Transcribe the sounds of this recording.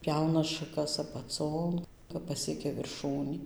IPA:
ˈpʲjɛʊnɐ ʃɐˈkɐs ɐpɐˈt͡soːn kɐp pɐˈsʲiɛkʲɛ ʋʲɪrˈʃuːnʲiː

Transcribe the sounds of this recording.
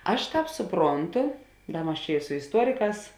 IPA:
ˈɐʃ ˈtɑːp sʊˈproːnˌtʊ ˈdɐ ˈmɐs t͡ʃʲɛ ɪ sʊ ɪsˈtuɔrʲɪˌkɑːs

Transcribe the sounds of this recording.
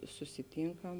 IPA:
sʊsʲɪˈtʲiːŋkɐm

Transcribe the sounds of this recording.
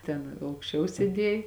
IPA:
ˈtʲɛn ɐʊkʃʲˈt͡ʃʲɛʊ sʲeːˈdʲiɛj

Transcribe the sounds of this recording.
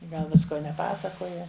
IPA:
ˈɡɐlˠ ˈʋʲɪskoː nʲɛˈpɑːsɐkoːjɛ

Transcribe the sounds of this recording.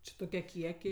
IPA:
ˈt͡ʃʲɪ toːˈkʲiɛ ˈkʲiɛkʲɛɪ

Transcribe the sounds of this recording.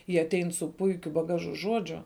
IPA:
jiɛ ɐˈtʲɛɪn sʊ ˈpʊɪkʲʊ bɐˈɡɑːʒʊ ˈʒuɔd͡ʒʲʊ

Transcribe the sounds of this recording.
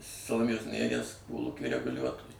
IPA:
sɐlˠoːˈmʲeːjoːs nʲeːˈrʲiɛs ˈkoːlˠuːkʲiː rʲɛɡʊˈlʲuɔtoːjʊ

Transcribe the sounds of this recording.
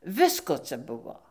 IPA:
ˈʋʲɪskoː ˈt͡sɐ ˈbʊʋoː

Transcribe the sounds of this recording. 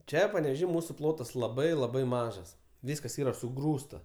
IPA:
ˈt͡ʃʲɛ pɐnʲɛʋʲɛˈʒʲiː ˈmuːsʊ ˈplˠoːtɐs lˠɐˈbɐɪ lˠɐˈbɐɪ ˈmɑːʒɐs ˈʋʲiːskɐs ˈiːrɐ sʊˈɡruːstɐ

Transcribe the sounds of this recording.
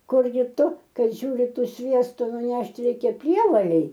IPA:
ˈkʊrʲɡʲɪ ˈtʊ ˈkɐt ˈʒʲuːrʲɪ ˈtuː ˈsʲʋʲiɛstʊ nʊˈnʲɛʃʲtʲ ˈrʲɛɪkʲɛ ˈpʲrʲiɛʋɐlʲɛɪ

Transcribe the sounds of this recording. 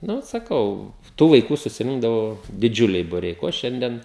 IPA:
ˈnʊ sɐˈkɐʊ ˈtuː ʋɐɪˈkuː sʊsʲɪˈrʲɪŋɡdɐʋoː dʲɪˈd͡ʒʲʊlʲɛɪ bʊˈrʲɛɪ ˈkoː ˈʃʲɛnʲdʲiɛn

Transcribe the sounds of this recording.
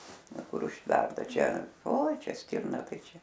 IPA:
ˈʋɐ ˈkʊr ʊʃʲˈtʲʋʲɛrtɐ ˈt͡ʃʲɛ oːɪ ˈt͡ʃʲɛ ˈsʲtʲɪrnɐ ˈtɐɪ ˈt͡ʃʲɛ

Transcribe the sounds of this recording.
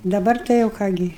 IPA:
dɐˈbɐr tɐɪ jɛʊ ˈkɑː ɡʲɪ

